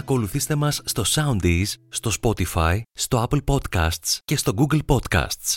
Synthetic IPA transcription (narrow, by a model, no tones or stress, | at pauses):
ɐko̞luθist̪e̞mɐsːt̪o̞sɐund̪esːt̪o̞spo̞t̪ifɐist̪o̞ɐplpo̞d̪kɐ̰st̪sce̞st̪o̞ɡuɡlpo̞t̪kɐ̰st̪s